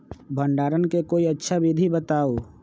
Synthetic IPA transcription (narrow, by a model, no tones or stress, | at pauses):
bʱə̃ɳɖaːɾənkekoːiɐtːʃʰabid̪ʱibət̪aːo